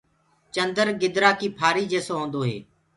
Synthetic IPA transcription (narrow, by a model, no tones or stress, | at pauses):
t͡ʃənd̪əɾɡɪd̪ɾaːkiːpʰaːɾiːd͡ʒeːsoːɦõːnd̪oːɦḛː